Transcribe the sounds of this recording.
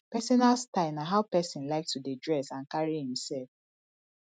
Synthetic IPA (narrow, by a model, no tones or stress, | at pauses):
pɛsɔnalstaɪnaɦaʊpɛsĩnlaɪk̚tudidɹɛsãnkaɹihĩmsɛlf